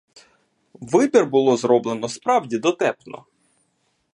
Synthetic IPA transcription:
ʋɪbʲirbʊlˠɔzɾɔblˠenɔspɾɑwdʲid̪ɔt̪ɛpnɔ̰

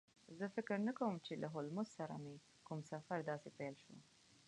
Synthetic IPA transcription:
zəfɪkɾnakawəmt͡ʃelaɦʊlmʊssaɾa̰me | kumsafaɾd̪ɑsepɛjlʃṵ

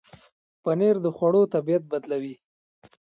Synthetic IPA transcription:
paneɾd̪əxwaɽot̪abijat̪̚bad̪lawi

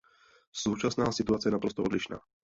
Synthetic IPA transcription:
suːt͡ʃasnaːsit̪uaːt͡sɪjaɛnapɾɔst̪ɔɔ̰d̪liʃna̰ː

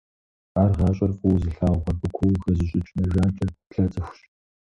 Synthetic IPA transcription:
aːrʁɑːɕʼɐrfʼuwzɨɬaːwʁɐbɨkʷʰowxɐzɨɕʼɪt͡ʃʼnɐʒaːnt͡ʃʼɐɬɐt͡sʼɨxʷʊɕʼ

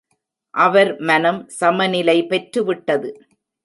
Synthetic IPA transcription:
ʔɐʋɐɾmɐnɐmsɐmɐnɪlɐɪpɛʈɾɯʋɪʈːɐðɯ

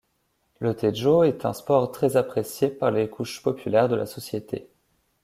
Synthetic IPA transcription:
lət̪ʰeʒoɛt̪ɛ̰̃spɔʁt̪χɛzapχesjepaʁlekʰuʃpɔpylɛʁd̪əlʔa̰sɔsjet̪ʰḛ

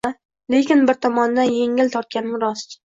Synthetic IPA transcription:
a | le̞kʲɪnbɪɾt̪ʰɒmɒnd̪anje̞ŋɪlt̪ʰɒɾt̪̚kʲanɪmɪɾɒst͡ʃ

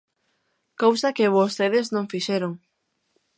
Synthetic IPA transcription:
kowsɐkɪβost̪eðɪznõŋfiʃeɾoŋ

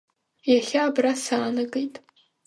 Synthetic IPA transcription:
jaχʲaːbrasaːnɨɡejtʼ

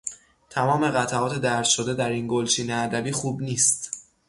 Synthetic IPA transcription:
t̪ʰæmɒːme̞ɣæt̪ʰæɒːt̪ʰe̞d̪æɾt̪ʃo̞d̪e̞d̪æɾinɡolt͡ʃʰiːneæd̪æbiːxuːbniːst̪

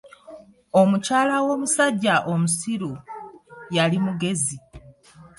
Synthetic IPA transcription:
o̞mucaːlawo̞ːmusaɟːaʔo̞musiɾu | jalimuɡe̞zi

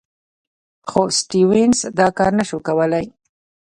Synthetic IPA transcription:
xosʈiwɪnsd̪ɑkɑɾnaʃukawəlaj

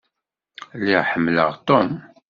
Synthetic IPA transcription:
lːiʁħəmːlə̰ʁt̪on

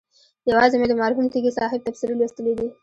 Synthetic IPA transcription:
jawɑzemed̪əmɑɾɦumt̪iɡisɑɦɪb̚t̪afsiɾelwist̪əled̪i

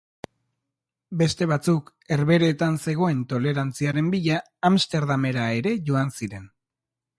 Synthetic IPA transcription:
be̞st̪e̞βat͡suk | e̞ɾβe̞ɾe̞ːt̪anse̞ɣ̞o̞e̞nt̪o̞le̞ɾant͡siaɾe̞mbiʎaː | mst̪e̞ɾðame̞ɾae̞ɾe̞ʝo̞ansiɾe̞n

